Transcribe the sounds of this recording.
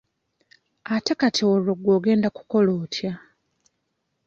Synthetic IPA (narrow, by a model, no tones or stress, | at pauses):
atakatʰiwooɡwoːɡe̞ːndaku̥ko̞loːtʰja